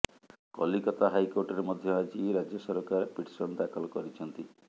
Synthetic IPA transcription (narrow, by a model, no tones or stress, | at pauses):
kɔlikɔt̪aɦajkoɾʈɔɾemɔd̪ʱjɔad͡ʒiɾad͡ʒjɔsɔɾɔkaɾepiʈsɔnd̪akʰɔlɔkɔɾit͡ʃʰɔnt̪i